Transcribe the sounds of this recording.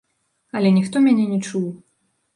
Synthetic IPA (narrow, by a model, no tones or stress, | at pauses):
ɐlʲɛnʲixt̪ɔmʲanʲɛnʲɛt͡ʂuw